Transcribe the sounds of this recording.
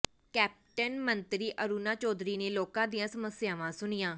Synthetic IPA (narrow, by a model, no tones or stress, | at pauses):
kɛːp̚ʈənmənt̪ɾiːʔəɾuːnaːt͡ʃɔːd̪ɾiːneːloːkãːd̪ɪjãːsəməsɪjaːʋãːsʊnɪjãː